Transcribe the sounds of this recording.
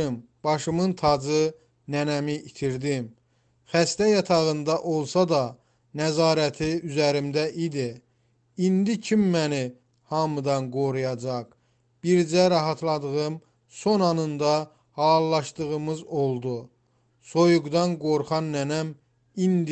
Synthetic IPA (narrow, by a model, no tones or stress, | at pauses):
ɯmb̥ɑʃɯmɯnt̪ʰɑd͡ʒɯ | nænæmiʔːt̪ʰiɾd̪im | χæst̪æjɑt̪ʰɑɣɯnd̪ɑʔolˠsɑd̪ɑ | næzɑːɾæt̪ʰiyzæɾimd̪æʔid̪i | ind̪icʰimːæni | hɑmɯd̪ɑnɡo̞ɾujɑd͡ʒɑq | b̥iɾd͡ʒæɾɑɦɑt̪ʰlˠɑd̪ɯɣɯm | so̞nɑnɯnd̪ɑ | hɑlˠːɑʃd̪ɯʁɯmɯzo̞lˠd̪u | so̞juɡd̪ɑnɡo̞ɾχɑnːænæm | ind̪